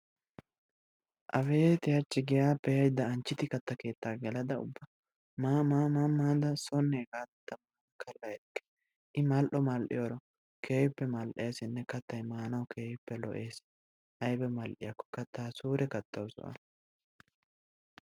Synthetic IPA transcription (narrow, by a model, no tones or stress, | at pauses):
ʔɐfeːt̪ɪjɐt͡ʃːɪɡɪjaːpɛjɐjd̪ːɐːnt͡ʃːɪt̪ɪkɐt̪ːɐke̞ːt̪ːaːɡɛlɐd̪ɐʊ̰bːɐ | maːmaːmaːmːaːd̪ɐsɔnːeːkaːt̪ːɐma | kʰɐlːɐjɛkːɛ̥ | ʔɪmɐlʔɔmɐlʔɪ̰jɔːɾɔ | kʰeːjɪpːɛmɐlʔeːsɪnːɛkɐt̪ːɐjmaːnɐwkʰeːjɪpːɛlɔ̰ʔe̞ːs | ʔɐjbɛmɐlʔɪ̰jɐkːɔ̥kɐt̪ːaːsuːɾɛkɐt̪ːɐwsʊ̰ʔɐ̰